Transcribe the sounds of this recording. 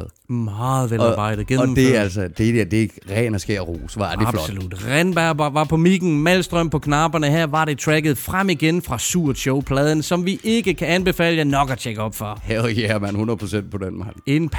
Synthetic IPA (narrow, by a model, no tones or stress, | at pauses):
mɑ̈ːð̩ˠʋelɑ̈b̥ɑ̈ɪ̰d̥ð̩ˠɡ̥enmde̝æl̰sɐd̥e̝d̥eɐ̰d̥e̝̥ʁɛ̰ːnɐsɡ̥e̝ɐ̰ʁo̰ːsʋɑ̈ædifl̥olud̥ʁɛnb̥æɐbʋɑ̈pʰɒ̽miɡ̥n̩mæl̰sd̥ʁœm̰pʰɒ̽kʰnɑ̈b̥ɐnəɦæɐ̰ʋɑ̈ɾe̝t͡sʰʁæɡ̥ð̞̩ˠfʁam̰iɡ̥enfʁɑ̈suɐ̰d̥ɕɔʊpʰlɛːð̞ˠən̩sɒ̽mʋiʔe̝ɡ̥əkʰæænb̥e̝fɛ̰ːləænɒ̽ɡ̥ɒt͡ɕʰeɡ̥əɒ̽b̥fɒhæɡæɐmænhunɐðˠpʰʁosen̰d̥̚pʰɒ̽denmɑ̰̥e̝npʰ